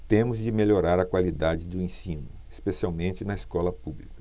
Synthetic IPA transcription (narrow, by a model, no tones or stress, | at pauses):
t̪ẽmʊzd͡ʒɪmeʎoɾaɾɐkwalid̪ad͡ʒɪd̪ʊẽsĩnʊ | espesiawmẽnt͡ʃɪnɐeskɔlɐpublikɐ̥